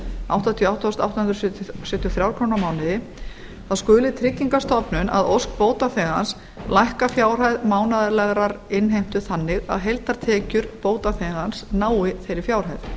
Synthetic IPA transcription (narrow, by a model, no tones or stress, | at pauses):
a̰wht̪at̪ʰijɔawht̪ɔst̪a̰wt̪ahʏnɾsʏsʏt̪jɔθɾjawɾkʰownamaːwnɪðɪ | θaðskʏːlɪt̪ʰɾɪcːiŋkast̪ɔpnʏnʔa̰ðowsk̚poːwt̪aθɛːɣans | lajhkafjaːwr̥ajðmaːwnaðɪlɛɣɾaɾɪnɦejm̥t̪ʏθanːɪɣa̰ðɦejlt̪aɾ̥t̪ʰɛːcʏɾpoːwt̪aθɛːɣansnaːwɪθejɾɪɾfjaːwr̥hajð